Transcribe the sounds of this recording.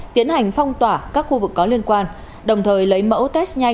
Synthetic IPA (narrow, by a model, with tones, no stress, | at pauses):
t̪i˨˦ənha˨˩jŋ̟fɔ˧wŋ͡mt̪waː˧˩kaː˦˥k̚xu˧vɨ˨˩kːɔ˨˦li˧ənkwaː˧n | ɗə˨˩wŋ͡mt̪ʰəː˨˩jlə˨˦jmə̰˧˥wt̪ɛ˦˥k̚ɲa˧